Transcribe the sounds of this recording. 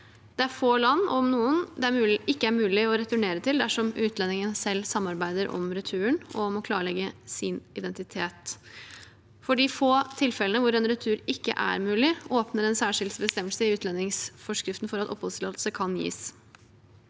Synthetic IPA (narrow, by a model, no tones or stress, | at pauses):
d̪̥ɛæɾfoːlɑnːɔ̰mnuːənd̪ɛæɪkːəæɾmʉːlɪɔɾɛt̪ʉɳeːɾət̪ʰɪld̪æʂɔmʉːt̪ʰlɛnːɪŋənsɛlːsɑmːɑɾbæɪd̪əɾʔɔ̰mɾɛt̪ʰʉːəɳɔmɔkʰlɑːɾəɭɛɡːəsɪnɪd̪ɛnt̪ɪt̪ʰeːt̪ | fɔɖifoːt̪ʰɪlfɛlənəʋʊɾɛnɾɛt̪ʰʉːɾɪkːə̰ʔæ̰ɾmʉːlɪoːpnəɾɛnsæːʂɪld̪sbəst̪ɛmːəlsəɪʉːt̪lɛnːɪŋsfɔʂkɾɪft̪n̩fɔɾɑt̪ɔ̰phɔslɑːəl̩səkʰɑnjḭːs